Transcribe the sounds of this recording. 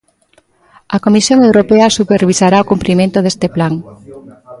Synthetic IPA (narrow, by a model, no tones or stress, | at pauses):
ɐkomisjoŋewɾopeɐsupeɾβisaɾaokumpɾimẽnt̪oðest̪eplaŋ